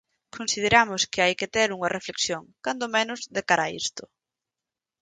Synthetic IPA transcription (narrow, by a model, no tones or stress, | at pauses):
kʰonsið̞eɾamʊskɪajkɪt̪eɾuŋɐrefleksjoŋkand̪omenʊzðekaɾaḭst̪ʊ